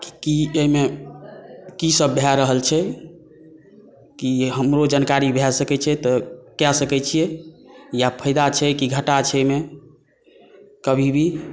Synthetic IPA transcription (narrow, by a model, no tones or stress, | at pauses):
ki̥kieime | kisəbːʱɛɾəɦəlt͡ʃʰɛ | kiɦəmɾod͡ʒənkaɾibʱɛsəkɛt͡ʃʰɛt̪ɔkjasəkɛt͡ʃʰijɛjapʰəjd̪at͡ʃʰɛkiɡʱəʈat͡ʃʰɛeme | kəbʱibʱi